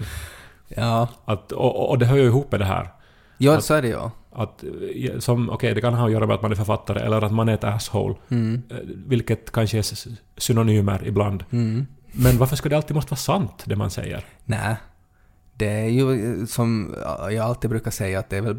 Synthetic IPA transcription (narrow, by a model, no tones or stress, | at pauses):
jɑːat̪ɔ̰ʔɔd̪ɛɦœːɾjaɪɦuːpːmɛd̪ɛɦæ̰ːɾ | jɑːsɔæɖɛjɑ̰at̪jsɔmʔɔ̰kʰɛɪjd̪ɛkʰanɦanjœːɾamɛat̪manæɾfœɾfat̪ʰːaɾə̰ʔɛ̰lːəɾat̪manæɾɛt̪æshɔ̰ʊl | vɪlkət̪kʰanʂəɛ | sʏnʊnyːməɾɪ̰bland̪ | mɛnvaɾfəʂkad̪ɛalt̪ːiːd̪mɔst̪əvɑːsant̪d̪ɛma̰nsɛ̰jːə̰ɾnæː | d̪̥ɛæɾjɵsɔm̰jɑɡalt̪ːiːd̚bɾʉ̟ːkaʂɛjːaːt̪̚d̪ɛːvɛl